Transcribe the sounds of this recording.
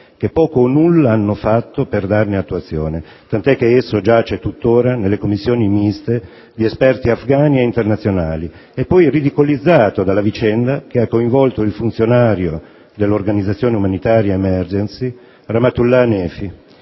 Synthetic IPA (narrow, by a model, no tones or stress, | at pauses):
k̟epːɔːkoːnulːaanːofat̪ːoperd̪arneat̪ːuat̪sːjoːne | t̪ant̪ɛkːeesːod͡ʒat͡ʃɛt̪ːut̪ːoːɾanelːekomːisːjoːnimist̪e | d̪iespɛrt̪iafɡaːnieint̪ernat̪sjona̰ːli | epːɔjrid̪ikolid̪zːaːt̪od̪alːavit͡ʃɛnd̪akeakːoiɱvɔlt̪oilfunt̪sjonaːɾjo | d̪elːorɡanid̪zːat̪sːjoːneumanit̪aːɾjaemɛrd͡ʒensi | ramat̪ulːanɛːfi